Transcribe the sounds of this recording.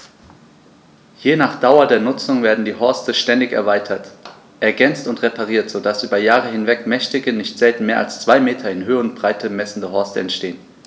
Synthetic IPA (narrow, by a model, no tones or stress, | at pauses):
jeːnaːχd̥aʊɐdeːɐnʊt͡sʊŋveːɐdn̩diːɦɔɐstəʃtɛndɪçɛ̰ɐvaɪtʰɐt | ʔɛɐɡɛnt͡stʊntʁ̥epʰaʁ̞iːɐtz̥oːdasʔyːbɐjaːʁəhɪnvɛkmɛçtɪɡənɪçtz̥ɛltn̩meːɐʔa̰lst͡sv̥aɪmeːtʰɐɪnɦøːəʊntb̥ʁ̥aɪtʰəmɛsn̩dəɦɔɐstəɛntʃteːən